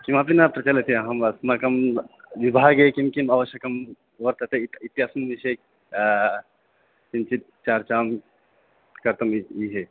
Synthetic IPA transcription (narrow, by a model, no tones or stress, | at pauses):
kimapinap̚t̪ɾɐt͡ʃɐlet̪ʰĩɦɐmɐsmakɐm | ʋibʱaɡekimkimaʋəʃjəkɐm | ʋəɾt̪ət̪eiit̪ɦaːsənʋise | kimt͡ʃit̪ | t͡ʃaɾt͡ʃaːm | kɐɾt̪ɐmiɦe